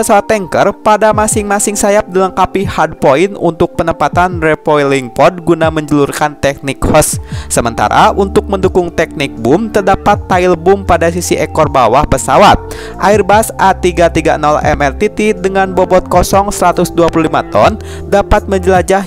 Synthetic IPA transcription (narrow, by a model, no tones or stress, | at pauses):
əsawat̪ːɛŋkərpadamasɪŋmasɪŋsajap̚diləŋkapihad̚poɪnṵnt̪ʊk̚pənəmpat̪anrɛpɔiliŋpɔd̚ɡunaməɲd͡ʒəlurkant̪ɛk̚nɪkfəsːəmənt̪a̰ɾʔa̰ʔunt̪ʊk̚məndukʊŋt̪ɛk̚nɪk̚bʊmt̪ərdapat̪ːaɪlbʊmpadas̬isiʔɛkɔrbawahpəsawat̪̚ | ʔairbasʔat̪iɡat̪iɡa̰nɔlɛ̰mɛrt̪it̪idəŋanbɔbɔt̪̚kɔsɔŋsəɾat̪ʊsduapuluhlimat̪ɔ̰n | dapat̪̚məɲd͡ʒəlad͡ʒah